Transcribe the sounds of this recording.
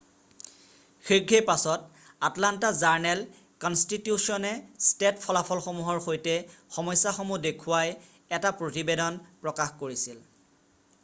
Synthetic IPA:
xiɡʱepasɔt̚ | atlantazaɹnɛl | kɔnstitjusiɔnɛstetpʰɔlapʰɔlxomuɦɔɹxojtɛxɔmɔjsːaxomudekʰʊwaj | ɛtapɹotibedɔnpɹɔkaxkoɹisil

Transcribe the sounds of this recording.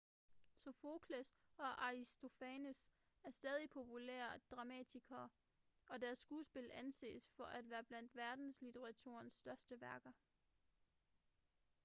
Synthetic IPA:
sofo̝kʰlesɒ̽ʔɑʁisd̥o̝fɛnəs | æɐsd̥ɛːð̞ˠipʰo̝pʰulḛːɐd̥ʁɑ̈mɛ̰ːdʰiɡ̥ʰɐː | ɒ̽dæɐsːɡ̥uːsb̥e̝lænse̝̰ːsfɒ̽ʔæd̥ʋæːɐb̥læn̰d̥ʋæɐd̥n̩slit͡sʰeʁɑ̈t͡sʰṵɐnsːd̥ɶɐsd̥əʋæɐɡ̥ɐ

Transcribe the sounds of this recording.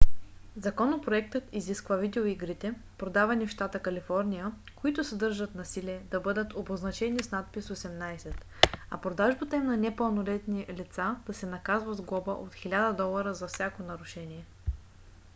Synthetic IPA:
zɐkɔnopɾoɛk̚t̪ət̪iziskvəvid̪ɛoiɡɾit̪ɛpɾod̪avɐnifʃt̪at̪əkɐlifɔɾnʲijə | koit̪ʊsəd̪ɤɾʒət̪nɐsiliɛd̪ɐbɤd̪ət̪oboznɐt͡ʃɛnisnat̪̚pisosɛmnajsɛt̪ | ɐ̰pɾod̪aʒbət̪əimnɐnɛpəlˠnolɛt̪nilit̪sad̪̥ɐsɛnɐkazvəzɡˠɔbəʔot̪xilʲad̪əd̪ɔlˠɐɾəzɐfsʲakonɐɾʊʃɛniɛ

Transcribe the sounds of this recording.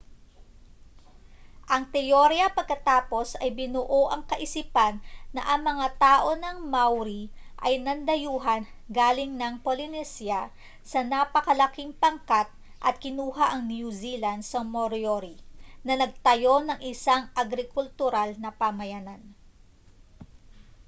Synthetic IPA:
ʔɐŋt̪ɛjoɾjɐpɐɡ̚kɐt̪aːpo̞sɐjbɪnʊʔoʔɐŋkɐʔɪsiːpanːɐ̰ʔɐŋmɐŋat̪aːʔo̞nɐŋmawɾiʔɐjnɐnd̪ɐjuːɦɐn | ɡaːlɪŋnɐŋpolɪnɛsja | sɐnapɐkɐlɐkiŋpɐŋkat̪̚ | ʔɐt̪̚kɪnuːɦaʔɐŋnjuziland̪sɐmoɾjoɾinɐnɐɡ̚t̪ɐjo̞nɐŋʔɪsaŋʔɐɡɾɪkʊlt̪ʊɾalnɐpamɐjanan

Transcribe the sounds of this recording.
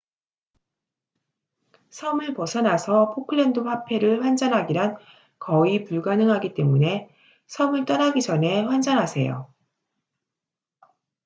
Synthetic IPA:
sʰʌmɯɭpʌsʰʌnasʰʌpʰokʰɯɭːe̞ndopʰapʰe̞ɾɯɭɸwand͡ʑanɦaɡiɾan | kʌipuɭɡanɯŋɦaɡit͈e̞mune̞ | sʰʌmɯɭt͈ʌnaɡid͡ʑʌnɦe̞ɸwand͡ʑanɦasʰe̞̰jo̰

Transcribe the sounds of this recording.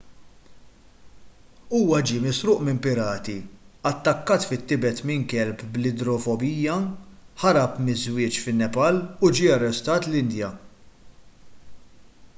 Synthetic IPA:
uːwɐd͡ʒiːmɪsɾʊːʔmɪmpɪɾɐːt̪iɐt̪ːɐkːɐːt̪fɪt̪ːɪbɛt̪mɪŋkɛlpblɪd̪ɾɔfɔbiːjɐħɐɾɐpmɪzwɪːt͡ʃfɪnːɛpɐlʊd͡ʒiːɐrːɛst̪ɐːt̪lɪnd̪jɐ

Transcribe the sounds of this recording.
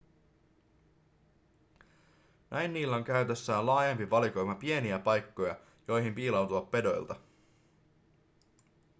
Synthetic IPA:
nʔæjnːiːlːæo̞ŋk̟æɥt̪e̞sːæːnlɑːjɑmpiʋɑliko̞jmɑpie̞niæpɑjkːo̞jɑ̰ | jo̞jɦimpiːlɑwt̪uʋɑpːe̞do̞j̰lt̪ɑ

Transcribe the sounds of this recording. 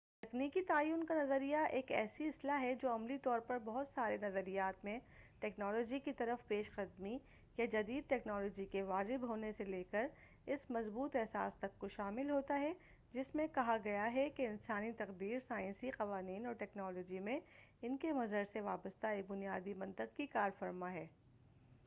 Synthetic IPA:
t̪ɐkniːkit̪aːjuːnkanɐzəɾijaʔeːkɛ̰ːsiɪslaɦɛd͡ʒoːɐmlit̪ɔːɾpɐɾbɐɦʊt̪saːɾenɐzəɾijaːt̪mẽʈɛːknɔːlɔːd͡ʒikit̪ɐɾəfpeːʃqɐd̪mi | jad͡ʒɐd̪iːd̪̚ʈɛːknɔːlɔːd͡ʒikeʋaːd͡ʒɪbɦoːneseleːkəɾ | ɪsmɐzbuːt̪ɛɦsa̰ːst̪ɐkːoʃaːmɪlɦoːt̪aɦɛ | d͡ʒɪsmẽkɐɦaɡɐjaɦɛkeɪnsaːnit̪ɐqd̪iːɾsaːɪ̃nsiqɐʋaːniːnɔːɾʈɛːknɔːlɔːd͡ʒimẽ | ɪnkemɐzəɾseʋa̰ːbəst̪aebʊnijaːd̪imɐ̃nt̪əqkikaːɾfɐɾmaɦɛː

